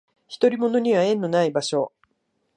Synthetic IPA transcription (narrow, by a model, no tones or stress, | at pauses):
çi̥t̪o̞ɾʲimo̞no̞ɲ̟iβaẽ̞nːo̞naibaɕo̞